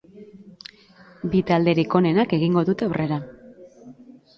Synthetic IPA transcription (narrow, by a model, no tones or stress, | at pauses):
bit̪ald̪e̞ɾiko̞ne̞nake̞ɣiŋɡo̞ðut̪e̞awrʔe̞ɾa